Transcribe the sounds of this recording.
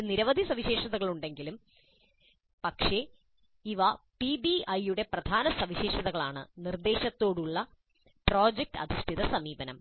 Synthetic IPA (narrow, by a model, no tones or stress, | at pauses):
niɾɐʋɐd̪ʱisɐʋiɕe̞ːʂɐðɐɣɐɭuɳɖe̞ŋɡilum | pɐkʂe̞ | iʋɐ | pibiʔɐjuɽe̞prɐd̪ʱaːnɐsɐmʋiɕe̞ːʂɐðɐɣɐɭaːɳɨ̰nird̪e̞ːɕɐt̪ːo̞ːɽuɭːɐ | pro̞ːd͡ʑek̚ʈɐ̰d̪ʱiʂʈʰiðɐsɐmiːbɐnɐm